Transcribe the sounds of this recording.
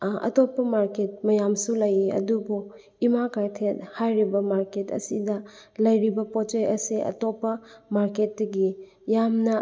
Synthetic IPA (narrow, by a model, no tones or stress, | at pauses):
ɐ̰topːɐmaɾket̚mɐjamsulɐjiɐ̰dubu | imakajtʰet̚hajɾibɐmaɾketɐ̰sidɐlɐjɾibɐpot͡ʃejɐseʔɐ̰topːɐmaɾket̚dɐɡi | jamnɐ